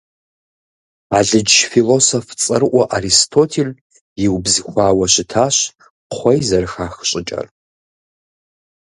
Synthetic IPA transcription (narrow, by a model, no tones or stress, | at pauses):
aːɮɨd͡ʒfilosoft͡sʼɨrʔʷɔʔaɾistʰoːtʰel | jɪwbzɨxʷaːwɐɕɪtʰaːɕ | χʷɔjzɐrɨxaːxɕʼɪt͡ʃʼɐ̰r